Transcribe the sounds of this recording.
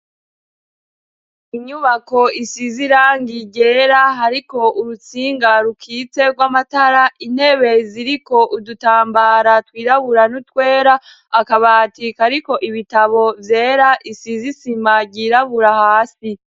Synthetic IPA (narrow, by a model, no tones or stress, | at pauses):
iɲuβako̞isiziɾaːŋɡiɟe̞ːɾaɦaɾiko̞ʔuɾut͡siːŋɡaɾukʰiːt͡se̞ɡwamataɾaʔin̥he̞βe̞ziɾiko̞ʔudutaːmbaɾatwiːɾaβuɾanutwe̞ːɾa | akaβaːtikaɾiko̞ʔiβitaβo̞vje̞ːɾaʔisizisimaɟiːɾaβuɾahaːsi